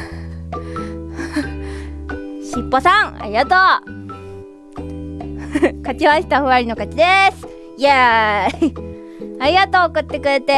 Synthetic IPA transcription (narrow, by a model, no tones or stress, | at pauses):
ɕipːo̞sãŋa̰ɾʲiɡat̪oː | kat͡ɕimaɕi̥t̪aɸɯ̟βaɾʲino̞kat͡ɕid̪esɨ̥ | je | aɾiɡat̪oːkɯ̟t̪ːe̞kɯ̟ɾe̞t̪e̞